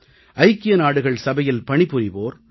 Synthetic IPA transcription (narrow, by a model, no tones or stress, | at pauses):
ʔɐɪkːɪjɐnaːɽɯɣɐɭsɐbɐjɪlpɐɳɪpːɯriboːɾ